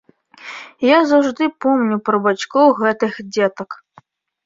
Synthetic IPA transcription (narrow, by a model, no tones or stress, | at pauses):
jazawʐd̪ɨpɔmnʲupɾɐbat͡ʃkɔwɣɛt̪ɨxd͡zʲɛt̪ɐk